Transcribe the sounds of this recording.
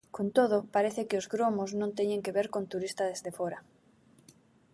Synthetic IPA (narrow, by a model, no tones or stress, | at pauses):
kont̪oðʊpaɾeθɪkɪozɣɾomoznõŋnt̪eɲeŋkeβeɾkont̪uɾist̪ɐðezðefoɾɐ